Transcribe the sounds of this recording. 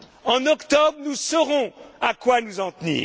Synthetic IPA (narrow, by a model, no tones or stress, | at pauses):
ɑ̃nɔkt̪ɔbʁnusɔʁɔ̃akwanuzɑ̃t̪nḭːʁ